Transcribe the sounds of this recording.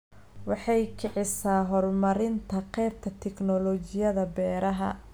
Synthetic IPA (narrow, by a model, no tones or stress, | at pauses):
wɑħɑjkʰɛʕɪsaːɦɔrmɐɾɪnt̪ʰɐqɛjb̚t̪ʰɐt̪ʰɛknɔlɔt͡ʃɪjɐðɐbɛːɾɐɦɐ̰